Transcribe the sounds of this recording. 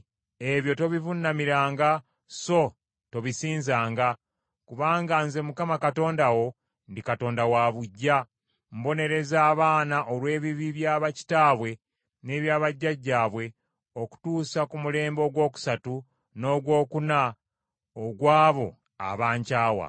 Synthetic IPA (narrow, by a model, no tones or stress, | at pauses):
e̞βjo̞to̞βivunːamiɾaːŋɡa | so̞ | to̞βisiːnzaːŋɡa | kuβaːŋɡanze̞mukamakato̞ːndawo̞ | ndikato̞ːndawaβuɟːa | mbo̞ne̞ɾe̞zaːβaːnaʔolwe̞ːβiβiβjaːβaci̥taːβwe̞ | ne̞ːβjaːβaɟːaɟːaːβwe̞ | o̞ku̥tuːsakumule̞ːmbo̞ɡwo̞ːku̥satu | no̞ːɡwo̞ːkuna | oɡwaːβo̞ | a̰βaːɲcaːwa̰